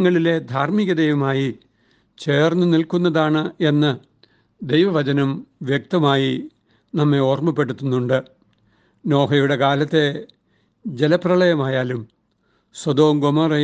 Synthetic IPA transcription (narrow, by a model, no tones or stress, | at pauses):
ŋːɐɭile̞d̪ʱaːrmiɣɐd̪ejʋɐmaːji | t͡ɕe̞ːrnːunilkunːɐðaːɳɨe̞nːɐ | d̪ejʋɐʋɐt͡ɕɐnɐmʋjek̚t̪ɐmaːji | nɐmːe̞o̞ːrmɐpːe̞ɽut̪ːunːuɳɖɨ | no̞ːɦɐjuɽe̞kaːlɐt̪ːe̞ | d͡ʑelɐprɐɭɐjɐmaːjaːlum | swɐd̪o̞ːmɡomɐrɐ